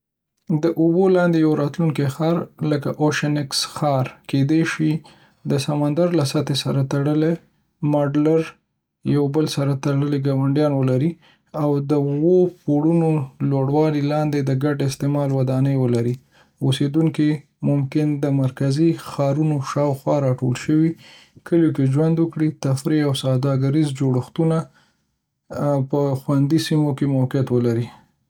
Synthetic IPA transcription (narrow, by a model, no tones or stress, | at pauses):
d̪əʔubolɑnd̪ejawɾɑt̪luŋkexɑɾləka̰ʔoʃənɪksxɑɾked̪eʃi | d̪əsamand̪aɾlasat̪esaɾat̪aɽəle | mɑɖlaɾ | jawbəlsaɾat̪aɽəleɡɑwaɳɖjɑnwəlaɾi | awd̪əwopoɽunoloɽwɑlilɑnd̪ed̪əɡaɖɪst̪emɑlwad̪ɑnəjwəlaɾi | osed̪uŋki | mʊmkɪnd̪əmaɾkazixɑɾunoʃɑwxwɑɾɑʈolʃəwi | kʰəljokeʒwand̪wəkɽit̪afɾeawsad̪ɑɡaɾizd͡ʒoɽəxt̪una | pəxwand̪isimokemawkjat̪wəlaɾi